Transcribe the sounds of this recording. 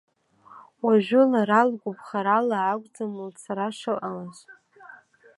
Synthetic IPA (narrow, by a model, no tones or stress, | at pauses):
waʒᶣʊlaɾalɡʷʊpχaɾalaːɡʷʼd͡zamɨlt͡sʰaɾaʂalʔalaz